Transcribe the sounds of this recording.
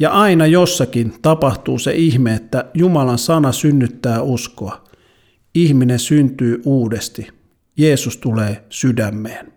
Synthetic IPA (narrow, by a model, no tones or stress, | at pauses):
jɑʔɑinɑjosːɑkint̪ɑpɑht̪uːsḛʔihmeet̪ːæjumɑlɑnsɑnɑsynːyt̪ːæːuskoɑ | ihminensynt̪yːʔuːdest̪i | jeːsust̪uleːsydæmːeːn